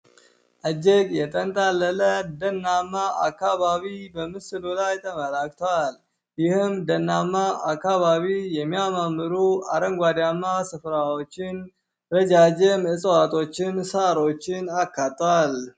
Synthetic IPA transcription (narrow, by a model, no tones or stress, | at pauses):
ʔəd͡ʒːɛɡʼjɛt̪ʼənt̪ʼalːələd̪ənːamːaa̰kːaβaβibəmɨsɨlolajt̪ʰəməlak̚t̪ʰowal | jɪhɨmd̪ənːamːaʔakːaβaβijɛmːijamamːɨɾuaɾəŋɡʷad̪jamːasɨfɾawo̞t͡ʃːɪn | ɾəd͡ʒad͡ʒɛməsʼəwat̪ʰʼo̞t͡ʃːɪnsaɾo̞t͡ʃːɪnakːat̪ʼːwal